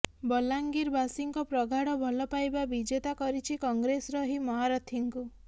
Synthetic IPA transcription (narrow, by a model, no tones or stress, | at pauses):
bɔlaŋɡiɾbasiŋkɔpɾɔɡʱaɽɔbʱɔlɔpajbabid͡ʒet̪akɔɾit͡ʃʰikɔŋɡɾesɾɔɦimɔɦaɾɔt̪ʰiŋku